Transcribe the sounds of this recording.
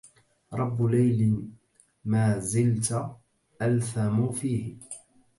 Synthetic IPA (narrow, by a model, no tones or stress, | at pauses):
ɾˤɑbːʊlajlɪ | maːzɪlt̪ | ʔalθamʊfiːh